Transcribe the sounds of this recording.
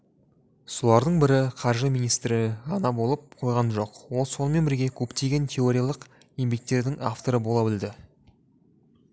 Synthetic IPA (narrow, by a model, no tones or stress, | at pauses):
so̞lˠɑɾd̪əɴbɪɾɪqʰɑɾʒəmijnijst̪ɾɪɑnɑbo̞lˠəp̚qʰo̞jʁɑnʒo̞qwo̞lˠsonˠme̞nbɪɾɡʲe̞kʲʰɵpt̪e̞ɡʲe̞nt̪ʲʰeo̞ɾʲijalˠəq | ejmbʲe̞k̚t̪e̞ɾd̪ɪŋa̰ft̪o̞ɾəbo̞lˠɑbɪld̪ɪ